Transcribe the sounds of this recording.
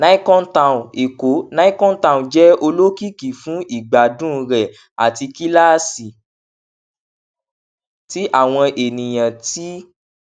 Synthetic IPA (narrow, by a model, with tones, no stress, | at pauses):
nã˦i˦kɔ̃˦tã˧˨ũ˨e˨ko˨˦nã˦i˦kɔ̃˦n̩˦tã˧˨ũ˨d͡ʒɛ˦o˧lo˦ki˦ki˨fũ˨˦ʔi˦˨ɡ͡ba˨dũ˦˧ɾɛ˨ | a̰˨ti˧ki˦la˦˨si˨ | ti˦ʔa˦˨w̃ɔ̃˧ʔe˨nĩ˨j̃ã˨ti˦